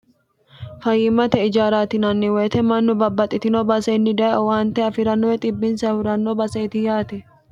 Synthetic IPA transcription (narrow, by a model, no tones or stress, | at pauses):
fɐjːɪmɐt̪ɛɪd͡ʒaːɾaːt̪ɪnɐnːɪweːt̪ɛmɐnːʊbɐbːɐt̪ʼːɪt̪ɪnobɐsɐnːɪd̪ɐjwaːnt̪ɛɐfɪɾɐnːɔɛt̪ʼɪbːɪnsɐfɪɾɐnːobɐsɐt̪ɪjaːt̪ɛ